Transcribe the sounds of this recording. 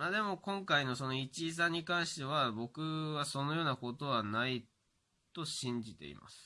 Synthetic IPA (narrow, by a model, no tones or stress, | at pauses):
mad̪e̞mo̞kõ̞ŋkaino̞so̞no̞it͡ɕiːs̬ãɲ̟ːikãɰ̃ɕi̥t̪e̞β̞abo̞kɯ̟βaso̞nojo̞ːnako̞t̪o̞βanai | t̪o̞ɕĩɲ̟d͡ʑit̪e̞̰ḭma̰sɨ̥